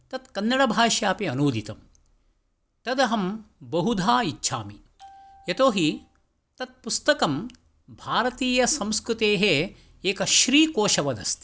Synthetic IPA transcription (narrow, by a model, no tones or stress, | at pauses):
t̪ɐt̪kɐnːɐɽɐbʱaːʃjaːpiɐnuːd̪it̪ɐm | t̪ɐd̪ɐɦɐmbɐɦud̪ʱaːitːʃʰa̰ːmi | jet̪oːɦi | t̪ɐt̪̚pust̪ɐkɐm | bʱaːɾɐt̪iːjɐsɐmskɾut̪eːɦe | eːkɐʃɾiːkoːʃɐʋɐd̪ɐ̰st̪i̥